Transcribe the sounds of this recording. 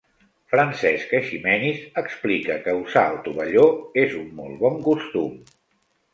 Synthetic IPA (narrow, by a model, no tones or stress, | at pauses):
fɾənsɛskəʃimɛnisəksplikəkəusaəlˠt̪uβəʎoezumːɔ̰lˠβɔŋkust̪um